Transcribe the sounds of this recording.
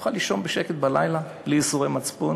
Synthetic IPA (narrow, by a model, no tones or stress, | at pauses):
χaliʃo̞nbeʃeket̪̚bala̰jlabliisuʁejmat͡spun